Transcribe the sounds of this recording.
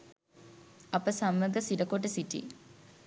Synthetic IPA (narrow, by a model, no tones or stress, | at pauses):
ɐpəsamːəɡəsidəkoʈ̬əsiʈḭ